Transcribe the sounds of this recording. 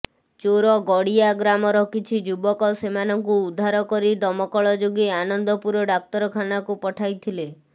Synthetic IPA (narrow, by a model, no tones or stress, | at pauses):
t͡ʃoɾɔɡɔɽiaɡɾamɔɾɔkit͡ʃʰid͡ʒubɔkɔsemanɔŋkuːd̪ʱːaɾɔkɔɾid̪ɔmɔkɔɭɔd͡ʒoɡeanɔnd̪ʱɔpuɾɔɖak̚t̪ɔɾɔkʰanakupɔʈʰajt̪ʰile